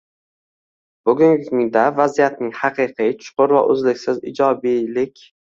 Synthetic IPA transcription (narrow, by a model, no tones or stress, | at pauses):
b̥ʊɡʲʊŋɡʲɪkʰʊŋd̪avazijat̪̚nɪŋhɑqɨqʰit͡ʃʰʊ̥ʃqʊɾva̰ʔɵ̰zlɪkʲsɪzɪ̰d͡ʒɒbilɪkʲ